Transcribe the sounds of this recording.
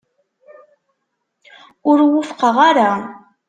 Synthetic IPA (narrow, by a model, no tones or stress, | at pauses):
ʊɾwʊfqəʁaɾa